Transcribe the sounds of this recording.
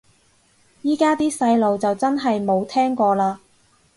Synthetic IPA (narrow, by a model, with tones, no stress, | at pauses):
jiː˥kaː˥t̪iː˥sɐ˧jlo˨wt͡sɐ˨wt͡sɐ˥nɦɐ˨jmo˨˧wt̪ʰɛː˥ŋkɔː˧laː˧